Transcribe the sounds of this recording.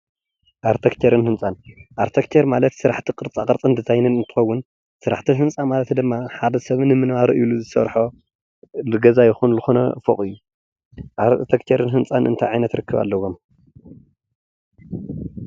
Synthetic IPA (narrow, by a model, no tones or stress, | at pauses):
ʔaɾt̪ʰɐkt̪ʰeɾɨnhɨnt͡sʼanʔaɾt̪ʰɐkt̪ʰeɾmalɐt̪sɨɾaħt̪ʰikʼɨɾt͡sʼakʼɐɾt͡sʼɨnd̪ɨzʰajnɨnɨnt̪ʰɨ̥xɐwːʊn | sɨɾa̰ħt̪ʰiɦɨnt͡sʼamalɐt̪d̪ɨmːaħad̪ɐsɐβnɨmɨnβaɾɐʔjuluzɨsɐ̰ɾħo | lɨɡɐzajɪxunlɨxonɐ̰foχʼɨjːu | ʔaɾt̪ʰekt̪ʰeɾɨnɦɨnt͡sʼanʔɨ̰nt̪ʰajʕajnɐt̪ɾɨkːɨβa̰lːɐwo̞m